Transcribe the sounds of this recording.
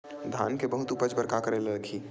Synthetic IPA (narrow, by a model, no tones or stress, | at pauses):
d̪ʱa̰ːnkebɐɦʊt̪upəd͡ʒbəɾkakəɾeleɾəkʰiː